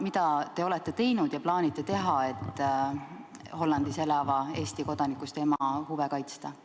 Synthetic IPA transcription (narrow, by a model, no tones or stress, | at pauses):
mid̪̥ɑt̪e̞o̞le̞t̪ːe̞t̪e̞jnud̪̥jɑplɑːnit̪ːˑe̞t̪e̞ɦɑe̞t̪ːˑ | ho̞lːɑnd̪̥ise̞lɑvɑe̞ːst̪iko̞d̪̥ɑnikːˑust̪e̞mɑhuve̞kɑjt̪st̪ɑ